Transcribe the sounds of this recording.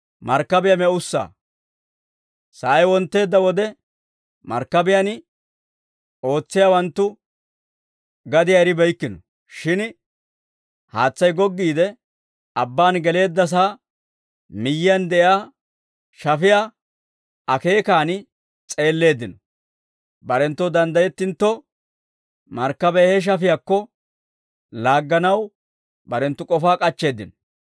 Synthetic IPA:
mɐɾkːɐbɪjamɛʊsːa̰ː | sɐjwɔnt̪ːe̞ːd̪ːɐwɔd̪ɛ | mɐ̰ɾkːɐbɪjɐnɪ | o̞ːt͡sːɪjaːwɐnt̪ːʊ | ɡɐd̪ɪjaɛɾɪbɛjkːɪnɔ | ʃɪn | haːt͡sːɐjɡɔɡːiːd̪ɛ | ɐbːaːnɡɛle̞ːd̪ːɐs̬aː | mɪjːɪɐnd̪ɛʔjaː | ʃɐfɪjaː | ɐke̞ːkaːnɪ | t͡sʼe̞ːlːe̞ːd̪ːɪnɔ | bɐɾɛnt̪ːɔd̪ɐnd̪ɐjɛt̪ːɪnt̪ːɔ | mɐɾkːɐbɛhɛʃ̬ɐfɪjakːɔ | laːɡːɐnɐw | bɐɾɛnt̪ːʊkʼɔfaːkʼɐt͡ʃːe̞ːd̪ːɪnɔ

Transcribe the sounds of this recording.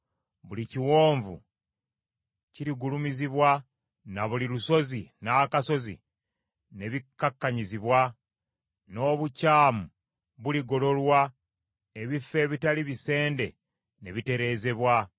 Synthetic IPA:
βuliciwo̞ːɱvṵ | ciɾiɡulumiziβwa | naβuliluso̞zinaːkaso̞zḭ | ne̞βikːakːaɲiziβwa | no̞ːβucaːmu | βuliɡo̞lo̞lwa | e̞βifːe̞ːβitaliβise̞ːnde̞̰ | ne̞βite̞ɾe̞ːze̞βwa

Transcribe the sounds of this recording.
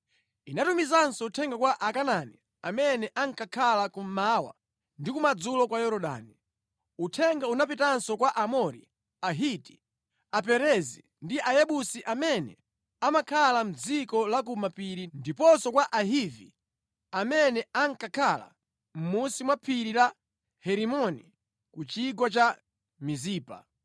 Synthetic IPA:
inatumizansɔutʰɛŋɡakwaʔakanani | amɛnɛʔaŋ̩kakʰalakum̩mawa̰ | ndikumad͡zulɔkwajɔɾɔɗa̰ːni | utʰɛŋɡaunapitansɔkwaʔamɔɾḭ | aɦiti̥ | apɛɾɛzi | ndiʔajɛɓusiʔamɛnɛ̰ | amakʰalam̩d͡zikɔlak̬umapiɾindipɔsɔkwaʔaɦivi | amɛnɛaŋkakʰala̰ | m̩musimwapʰiɾiɾa | hɛɾimɔni | kut͡ʃiɡwat͡ʃa | miziːpa̰

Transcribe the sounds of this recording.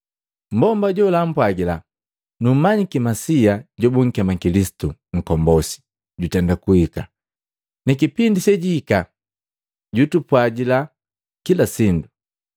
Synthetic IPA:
m̩bɔmbaɟɔlam̩pwaɡila | num̩maɲikimasiaɟɔbuŋ̩kɛmakilisi̥tuŋ̩kɔmbɔsi̥ | ɟutɛndakuhika̰ | nɛkipindisɛɟiːka | ɟutupwaɡila | kilasindu

